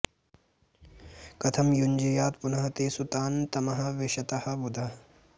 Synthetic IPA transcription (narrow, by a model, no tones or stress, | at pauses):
kɐt̪ʰɐmjuɲd͡ʒijaːt̪punɐɦɐt̪eːsut̪aːnt̪ɐmɐɦɐ̆ʋeʃɐt̪ɐhɐ̆bud̪ʱɐ